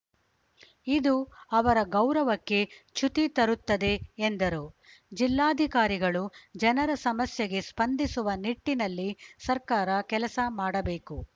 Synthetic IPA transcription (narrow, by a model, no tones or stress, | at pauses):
id̪uɐʋɐɾɐɡɐwɾɐʋɐkːe̞t͡ʃut̪it̪ɐɾut̪ːɐd̪e̞ːnd̪ɐɾu | d͡ʒilːaːd̪ʱikaːɾiɡɐɭud͡ʒɐnɐɾɐsɐmɐsjɐɡe̞spɐnd̪ʱisuʋɐniʈːinɐlːisɐɾkaːɾɐkɛlɐsɐmaːɽɐbe̞ːku